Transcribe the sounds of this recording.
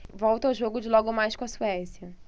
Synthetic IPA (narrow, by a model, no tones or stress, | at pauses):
vɔwt̪ɐawʒoɡʊd͡ʒɪlɔɡʊmajskõɐsuɛsiɐ